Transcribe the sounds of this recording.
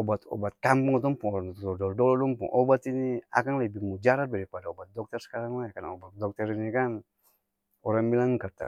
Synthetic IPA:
ɔbat̪ɔ̰bat̪̚kampuŋɔt̪ɔŋpuŋɔɾaŋt̪ut̪ɔdɔldɔlɔdɔŋpṵŋʔɔbat̪inia̰kaŋlɛbihmud͡ʒaɾat̪̚daɾipadaɔbat̪̚dɔk̚t̪ɛrsə̥kaɾaŋlajakanɔ̰bat̪̚dɔk̚t̪ɛɾinikan | ɔɾaŋbilaŋkat̪a̰

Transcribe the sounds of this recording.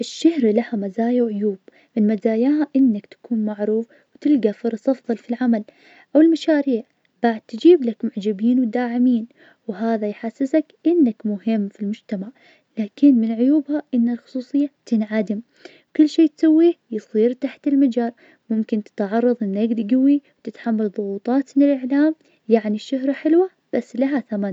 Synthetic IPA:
ʔɪʃːahɾlahamazaːjawʕʊjuːb | mɪnmazaːjaːhaʔɪnːakt̪ḁkʰuːnmaʕɾuːf | wt̪ɪlɡafɨɾˤɑsʔɑfðˤɑlfilʕamal | ʔawɪlmaʃaːɾiːʕ | baʕɪd̪̚t̪ɪd͡ʒiːblakmʊʕd͡ʒabiːnwɪd̪aːʕɪmiːn | wɦaːðajħasːɪsakʔɪnːakmʊhɪmːfilmʊd͡ʒt̪amaʕ | laːkɪnmɪnʕʊjuːbhaʔɪnːalxʊ̥sˤuːsˤɨjːat̪ɪnʕad̪ɪm | kʊlːʃeːt̪sawːiːjɨsˤiːɾt̪aħt̪ɪlmad͡ʒaːɾˤ | mʊmkɪnt̪ɪ̥t̪ʕɑrˤːɑðˤʔɪnːaɡd̪ɡawiwt̪ɪt̪ħamːalðˤʊɣuːt̪ˤɑːt̪mɪnɪlʔɪʕlaːm | jaʕniʃːʊhɾħɪlwa | b̥asːlaɦaθaman

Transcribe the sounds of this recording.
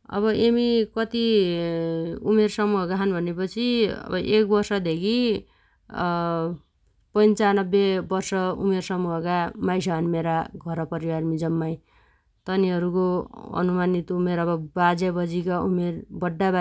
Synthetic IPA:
ʌ̰βʌʔemikʌt̪i | umersʌmuɦʌkaɦʌnbʱʌnepʌt͡sʰiʌ̰bʌʔek̚bʌrsʌd̪ʱekʰi | pʌnt͡sanʌbːebʌrsʌṵmersʌmuɦʌkamajsʌɦʌnmeɾaɡʱʌɾʌpʌɾiwarmid͡zʌmːaj | t̪ʌniɦʌɾukoʌ̰numanit̪umeɾʌbʌbad͡zabʌd͡zikaumerbʌɖːaba

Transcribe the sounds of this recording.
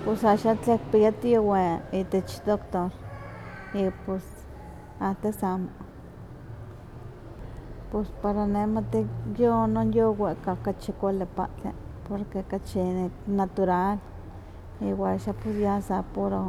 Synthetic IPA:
pesaʔʃat͡ɬek̚pijat̪ioweit̪et͡ʃt̪okt̪ol | ipos | at̪esamo | pespaɾaneʔmat̪ijononjoweʔkakat͡ʃikʷalepa̰ʔt͡ɬḛpoɾkekat͡ʃinat̪uɾal | iwaʃaposjasapoɾo

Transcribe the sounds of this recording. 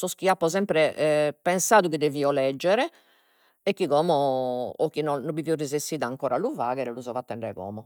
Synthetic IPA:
sɔsk̟iapːɔzɛmpɾɛpɛnsaːðukid̪eviːɔlɛd͡ʒːɛɾɛ | ɛkːiɣɔːmɔɔkinɔnɔbiviurːizest̪iːðaːŋkɔːɾaluvaːɣɛɾɛluzɔvat̪ːɛɳɖɾɛ̰ɣɔ̰ːmɔ

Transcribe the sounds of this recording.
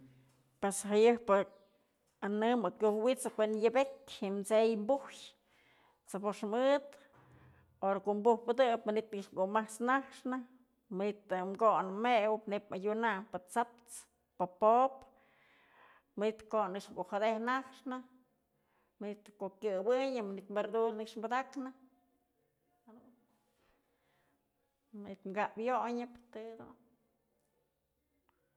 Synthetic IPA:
pwesɦajɨpɨ | anɨmɨkʲjuhwit͡sɨkʷenjɨbekhimt͡sejmbuhj | t͡sapoʂmɨt̪ | oɾakoʔmbuhpɨd̪ɨpmanit̪ɨʂɡumaht͡snahʂnɨ | mɨnit̪ɨmɡonɨmewɨpnepajunanpɨt͡sap̚t͡s | papop | mɨnit̪konɨkʂɡuʔhad̪ehnakʂnɨ | mɨnit̪kokjɨbɨɲɨmɨnit̪mbeɾd̪ulnɨkʂmbad̪aknɨ | had̪un | mɨnit̪mɡaʔbjoɲɨpt̪ɨd̪ṵn

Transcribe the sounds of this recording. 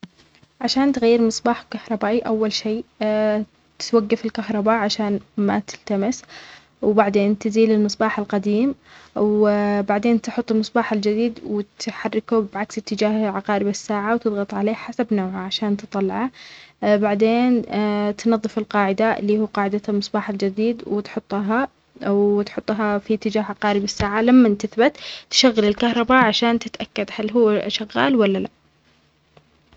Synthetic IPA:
ʕaʃaːnt̪ɣajːɪɾmɨsˤbɑːħkahɾˤɑbaːʔiʔawːalʃeː | t̪ɪ̥t̪waɡːafɪlkahɾˤɑbaʔʕaʃaːnma̰t̪ɪlt̪amɪs | wbaʕd̪eːnt̪ɪziːlɪlmɨsˤbɑːħɪlqɑd̪iːmwbaʕd̪eːnt̪ħʊt̪ˤːɪlmɨsˤbɑːħɪld͡ʒɪd̪iːd̪wɪt̪ħarːɪkubʕaksɪt̪ːɪd͡ʒaːhʕaqɑːɾɪbasːaːʕawt̪ɨðˤɣɑt̪ˤʕaleːhħasabnoːʕaʕaʃaːnt̪ɨt̪ˤːɑlːɑʕa | baʕd̪eːnt̪nɑðˤːɨfɪlqɑːʕɪd̪alːiːhuːqɑːʕɪd̪almɨsˤbɑːħald͡ʒɪd̪iːd̪wɪt̪ħʊt̪ˤːɦa | wt̪ħʊt̪ˤːɦafit̪ːɪd͡ʒaːɦʕaqɑːɾɪbɪsːaːʕalamːant̪aθbat̪ːɪ̥ʃaɣːɪlɪlkahɾˤɑbaʕaʃaːnt̪ɪt̪ʔakːad̪halːɦuːʃaɣːa̰ːlwalːala̰ʔ

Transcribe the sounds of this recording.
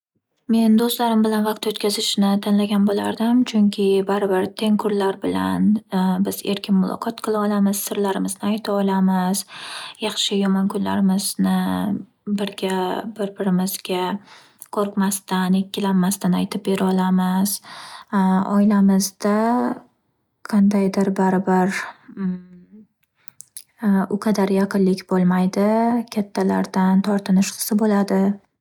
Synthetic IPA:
me̞nd̪ost̪laɾɪmbɪlanvɑq̚t̪ot̪̚kʲazɪʃnɪt̪ʰɪnlaɡʲanbola̰ɾd̪ɪmt͡ʃʰʊŋkʲʰɪbaɾɪbɪɾt̪ʰe̞ŋkʰʊɾlaɾbɪla̰nbɪz̥e̞̰ɾkʲʰɪnmʊlˠɒ̰qʰɒt̪qʰɨlˠaɒlamɪz̥sɪɾlaɾɪmɪznɪajt̪ʰaɒlˠamɪz̥jɑχʃɪjɒmɒnkʰʊnla̰ɾɪmɪznɪ | bɪɾɡʲabɪɾbɪɾɪmɪzɡʲa | kʰɵɾkmast̪ane̞kʲːɪlanmast̪anajt̪ʰɪp̚be̞ɾʔɪɒlamɪz̥ | ɒ̰ɪlamɪzd̪a | qʰɑnd̪ajd̪ɪɾbaɾbaɾ | ʊqʰɑd̪aɾjɑqʰɨnlɪkʲbolˠmajd̪ɪkʲʰat̪ʰːala̰ɾd̪ant̪ʰɒɾt̪ʰɪnɪʃqʰɨ̥sɪbolad̪ɪ

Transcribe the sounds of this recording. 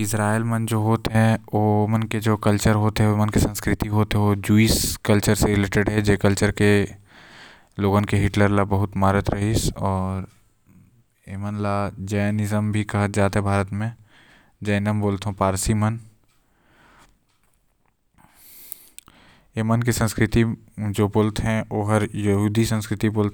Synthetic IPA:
ɪsɾaːelmənd͡ʒoːɦoːt̪ɦɛ̃omənked͡ʒoːkɐlt͡ʃəɾɦoːt̪ɦɛomənkesə̃nskɾɪt̪iɦoːt̪ɦɛod͡ʒuiskɐlt͡ʃəɾseɾɪleːʈeɖɦɛd͡ʒeːkəlt͡ʃəɾke | loːɡə̃nkeɦɪʈləɾlabɐɦʊt̪maːɾət̪ɾɐɦisɔːɾ | eːmənlad͡ʒɐjnɪzəmbʱikɐɦət̪d͡ʒaːt̪ɦɛbʱaːɾət̪mẽ | d͡ʒɐɪnəmboːlt̪ɦõpaːɾsimən | eːmənk̬isə̃nskɾɪt̪id͡ʒoːboːlt̪ɦɛ̃ʔoːɦɐɾjɐɦuːd̪ʱisə̃nskɾɪt̪iboːlt̪

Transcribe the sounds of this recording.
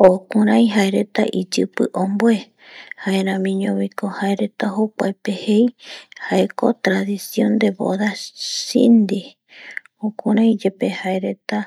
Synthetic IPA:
okuɾãj̃ɦaeɾe̞t̪a̰ʔid͡ʒɨpɨʔõmboe̞ | haeɾãmĩɲõβikohaeɾe̞t̪aɦokʷa̰epehe̞jhaeko̰t̪ɾaðisjõnd̪e̞βo̰ðasḭnd̪i | okuɾãj̃d͡ʒepehaeɾe̞t̪a

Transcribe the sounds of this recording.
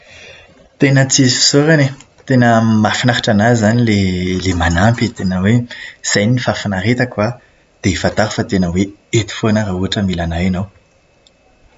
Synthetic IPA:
t̪enət͡sizi̥soɾane | t̪enəmafinaɾaʈ͡ʂanazzanilelemanampit̪enəwez̥ajnifafinaɾet̪akwa | d̪̥efat̪aɾufat̪enəweet̪u̥fonaɾauaʈ͡ʂəmilanajinow

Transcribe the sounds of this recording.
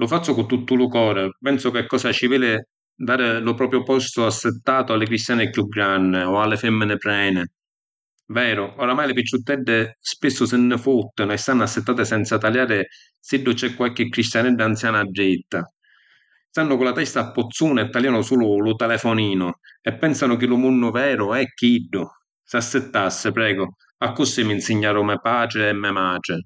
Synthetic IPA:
lʊfat̪t͡ʃ̪ːʊkʊt̪ːut̪ːʊlʊkɔːɾɪpɛnsʊkɪkːɔːsat͡ʃiveːlɪ | d̪aːɾɪlʊpɾɔːpɾjʊpɔst̪ʊasːɪt̪ːaːt̪ʊalːɪkɾist̪jaːnɪkjuɡɾanːɪɔalːɪfɛmːɪnɪpɾɛːnɪ | vɛːɾʊɔɾamaːjlɪfit͡ʃːut̪ːɛɖːɪspɪsːʊsɪnːɪfut̪ːɪnʊɛst̪anːasːɪt̪ːaːt̪ɪsɛnt̪sat̪aljaːɾɪ | siɖːʊt͡ʃɛkːwalk̟ɪkːɾist̪janɛɖːant̪sjaːnaɖːɪt̪ːa | st̪anːʊkʊlat̪ɛst̪apːʊt̪sːuːnɛt̪ːaljanʊsuːlʊlʊt̪ɛlɛfɔniːnʊɛpːɛnsanʊk̟ɪlʊmunːʊvɛːɾʊɛkːiɖːʊ | sasːɪt̪ːasːɪpɾɛːɡʊ | akːʊsːiminsɪɲːaːɾʊmɛpaːt͡ʃɾɪɛmːɛmaːʈɪ

